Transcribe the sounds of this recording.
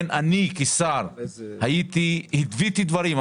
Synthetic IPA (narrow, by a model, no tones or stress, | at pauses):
nʔanikisaɾhajit̪ihit̪vit̪id̪vaɾim